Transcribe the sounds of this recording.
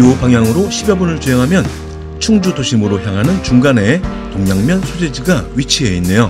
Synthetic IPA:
opaŋjaŋɯɾoɕʰibjʌbunɯɭt͡ɕeɦeŋɦamjʌn | t͡ɕʰuŋd͡ʑudoɕʰimɯɾoçjaŋɦanɯnt͡ɕuŋɡane̞ | toŋɲaŋmjʌnsʰod͡ʑed͡ʑiɡaɥit͡ɕʰiɦeinːe̞jo

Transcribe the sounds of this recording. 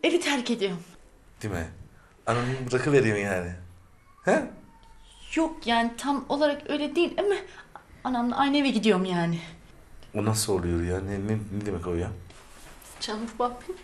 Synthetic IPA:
e̞vit̪ʰæɾce̞d̪ijoɾm | d̪̥imɛ | anamɯnbɯɾakʰɯveɾijomjaːnɪ | hɛ | jo̞k̚jaːnit̪ʰamo̞lˠaɾakø̞jlʲɛd̪iːlʲemaanamna̰ʔajnevɛɟid̪ijo̞ɾmjaːnɪ | onasolˠujoɾjaːnɛnɛnɛd̪imɛkʰojja | t͡ʃʰamfbapʰːi

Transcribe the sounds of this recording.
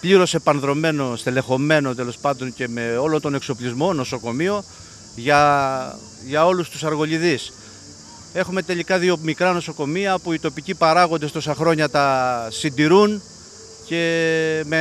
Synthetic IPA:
pliɾo̞se̞pɐnðɾo̞me̞no̞st̪ele̞xo̞me̞no̞t̪̬e̞lo̞spɐnd̪o̞nce̞me̞o̞lo̞nt̪o̞ne̞kso̞plizmo̞no̞so̞ko̞mio̞ | ʝɐ | ʝɐo̞lust̪usɐɾɣo̞ʎiðis | e̞xume̞t̪elikɐðio̞mikɾɐno̞so̞ko̞miɐpuit̪o̞picipɐɾɐɣo̞nd̪e̞st̪o̞sɐxɾoɲɐt̪ɐsind̪iɾun | ce̞me

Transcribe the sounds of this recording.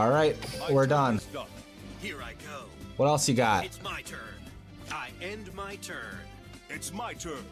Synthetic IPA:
ɔlˠɹaɪt̚wɪɹdə̃ntɑp̚ | hiɹaɪɡoʊwʌɾɛlˠsjɨɡɑt̚ɪtsmaɪtʰɜ̃˞n | aɪɛ̃ndmaɪtʰɜ̃˞nn | ɪtsmaɪtʰɜ̃˞

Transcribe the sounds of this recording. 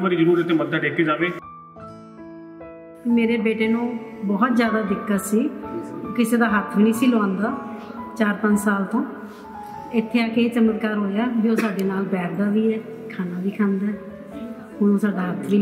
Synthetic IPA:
bəɾiːd͡ʒəɾuːɾɪt̪ʰːeːməd̪ːaːʈeːkeːd͡ʒaːʋeː | meːɾeːbeːʈeːnũːbɔːt̪zjaːd̪aːd̪ɪkːət̪siːkɪseːd̪aːɦət̪ʰːniːsiːlʋãːnd̪aːt͡ʃaːɾpə̃ɲd͡ʒsaːlt̪õː | ɪt̪ʰːeːaːkeːt͡ʃəmət̪kaːɾɦoːjaːd͡ʒioːsaːɖeːnaːlbɛːʈʰd̪aːʋiːɛː | kʰaːnaːʋiːkʰãːnd̪aː | ʊnũːsaːɖaːɦət̪ʰʋiː

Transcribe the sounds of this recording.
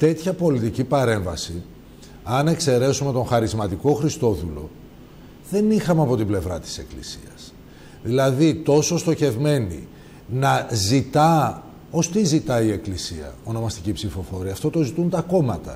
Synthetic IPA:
t̪e̞t̪çɐpo̞lit̪icipɐɾe̞ɱvɐsi | ɐnekse̞ɾe̞sume̞t̪o̞ŋxɐɾizmɐt̪iko̞xɾist̪o̞ðulo̞̰ | ðe̞nixɐmeɐpo̞t̪ible̞vɾɐt̪i̥se̞klisḭɐs | ðilɐðit̪o̞so̞st̪o̞çe̞vme̞nḭ | nɐzit̪ɐ | o̞st̪izit̪ɐie̞klisiɐ̰o̞no̞mɐst̪icipsifo̞fo̞ɾiɐft̪o̞t̪o̞zit̪unt̪ɐko̞mɐt̪ɐ̰

